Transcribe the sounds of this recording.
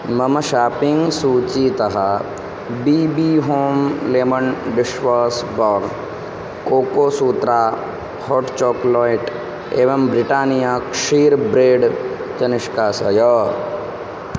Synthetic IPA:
mɐmʃaːpɪ̃ŋɡsuːt͡ʃit̪ɐɦa | biːbiɦoːmleːmənɖɪʃʋaːsbɔːɾ | koːkoːsuːt̪ɾaː | hoːʈt͡ʃɔːklɔːɪʈ | eːʋɐmbɾɪʈaːnijaːkʃiːɾbɾeːɖ | t͡ʃɐnɪʃkaːsɐ̰jɔː

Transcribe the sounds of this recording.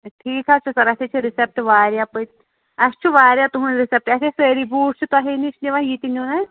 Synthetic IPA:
ʈʰiːkʰat͡ʃʰusɐɾɐset͡ʃʰiɾisep̚ʈʋaːɾjapɨt̪ | ɐst͡ʃʰiʋaːɾjat̪uɦunɾisep̚ʈɐseseːɾibuːʈ̚t͡ʃʰit̪uɐɦieniʃniʋajit̪inuːnaj

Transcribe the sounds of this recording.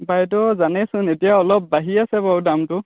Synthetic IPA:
bajt̬ɔzanɛsʊnetijaɔlɔp̚ːaɦiasɛbaɹudamtʊ

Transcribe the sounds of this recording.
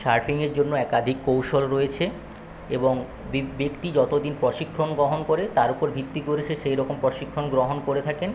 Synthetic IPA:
ʃaɾfʰiŋeɾd͡ʑonːoɛkad̪ʱikːowʃolɾoet͡ɕʰe | eboŋ | bbekt̪id͡ʑɔt̪od̪inpɾɔʃikʰːɾonɡɾoɦonkoɾet̪aɾupoɾbʱit̪ːikoɾet͡ɕʰeʃejɾɔkompɾɔʃikʰːonɡɾoɦonkoɾet̪ʰaken

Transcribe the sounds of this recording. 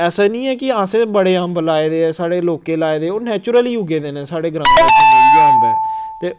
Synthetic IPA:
ɛːsaːnĩːɛːkɪãːsẽːbəɽeːãːmbəlaːeːd̪eːɛːsaːɽeːloːkeːlaːeːd̪eːoːnɛːt͡ʃʊɾəliːɦʊɡeːd̪eːnẽːsaːɽeːɡəɾãːt̪ẽɡeːɦʊ̃ːnd̪ɛːt̪eː

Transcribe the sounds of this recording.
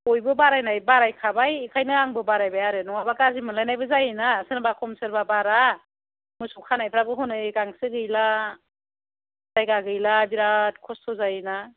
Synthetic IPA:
ɔjbɯbaɾajnajbaɾajkʰabajkʰajnɯaŋbɯbaɾajbajaɾɯnɔŋabakazimɯnlajnajbɯzajinasɯnbakʰɔmsɯɾbabaɾa | mɯjsɔkʰanajpʰɾabɯɦɔnɯkaŋsɯɡɯjla | zajɡaɡɯjlabiɾat̚kʰɔstʰɔzajina

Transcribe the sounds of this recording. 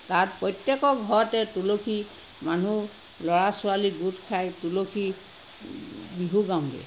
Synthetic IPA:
tatpɹɔjtjɛkɔɡʱɔɹɔtɛtulokʰi | manu | lɔɹasʊaliɡutʰkʰajtulokʰi | biɦuɡaw̃dɛ̰

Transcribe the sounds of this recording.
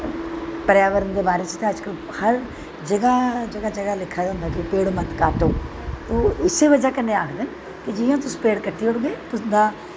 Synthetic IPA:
pəɾjaːʋəɾənd̪eːbaːɾeːt͡ʃt̪ẽəd͡ʒkəl | həɾ | d͡ʒəɡaːd͡ʒəɡaːd͡ʒəɡaːlɪkʰːaːd̪aɦʊ̃nd̪aːkɪpeːɽmət̪kaːʈoː | t̪oːɪseːʋəd͡ʒaːkənẽːaːkʰd̪ɪn | kɪd͡ʒɪjãːt̪ʊsːpeːɽkəʈʰːiːʊɽɡeːpʊsnd̪aː

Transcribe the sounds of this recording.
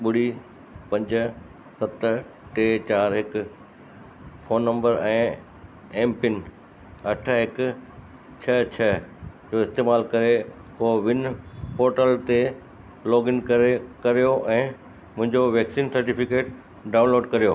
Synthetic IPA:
ɓʊɽ̤i | pɐ̃ɲd͡ʑʊ | sɐt̪ | ʈeːt͡ɕaːɾɦɪkʊ | foːnːɐ̃mbəɾɛ̃ː | ɛ̃ːmpɪn | ɐʈʰɦɪkʊ | t͡ɕʰɐt͡ɕʰɐd͡ʑoːɪst̪eːmaːlkɐɾe | koːʋɪnpoːɾʈəlt̪e | lɔːɡɪnkɐɾekɐɾijoʔɛ̃ː | mʊ̃ɦɪ̃ɲd͡ʑoʋeːksiːnsɐɾʈifɪkeːʈ | ɖaːʊ̃nloːɖkɐɾijoː

